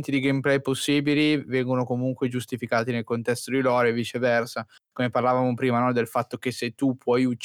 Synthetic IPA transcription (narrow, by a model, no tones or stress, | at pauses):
nt̪id̪iɡejmplɛjposːiːbilivɛŋɡonokomuŋkwed͡ʒust̪ifikaːt̪inelkont̪ɛst̪od̪ilɔɾevit͡ʃevɛrsa | komeparlavaːmopɾiːmanɔd̪elfat̪ːok̟esːet̪ːupʰːwɔjut͡ʃː